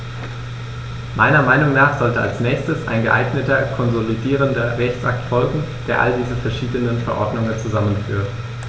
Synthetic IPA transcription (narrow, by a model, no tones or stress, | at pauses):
maɪnɐmaɪnʊŋnaːχz̥ɔltəa̰lsnɛːçstəsa̰ɪnɡəʔa̰ɪɡnətɐkʰɔnzolidiːʁ̞əndɐʁɛçsʔak̚tfɔlɡŋ̩d̥eːɐʔa̰ldiːzəfɛɐʃiːdənənfɛɐʔɔ̰ɐdnʊŋənt͡suzamənfy̰ːɐʁət